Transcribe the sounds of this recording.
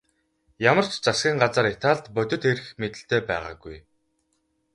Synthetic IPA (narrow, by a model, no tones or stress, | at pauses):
jamə̆r̥t͡ɕt͡sasɡʲiːŋɢat͡saːɾet̪aːɮt̪pœt̪ʲɵ̆t̪xeɾɘ̆xmet̪ɘ̆ɬt̪ʰeːpæːʁa̰ːɡuj